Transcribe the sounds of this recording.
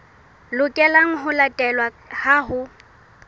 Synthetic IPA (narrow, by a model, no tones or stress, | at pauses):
lʊkʼɛlaŋ̩ɦʊlatʼɛlwa | haɦʊ